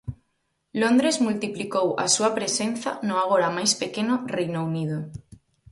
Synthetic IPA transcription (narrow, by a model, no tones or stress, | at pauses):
lond̪ɾezmult̪iplikowa̰suapɾesen̟θa̰nʊaɣ̞oɾamajspekenorejnounið̞o